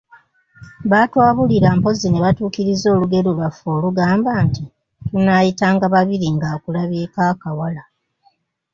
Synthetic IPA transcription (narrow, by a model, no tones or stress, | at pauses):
βaːtwaːβuliɾampo̞zine̞βatuːkiɾizo̞ːluɡe̞ɾulwafo̞ːluɡaːmbanti | tunajitaːŋɡaβaβiɾiŋɡakulaβeːkakawala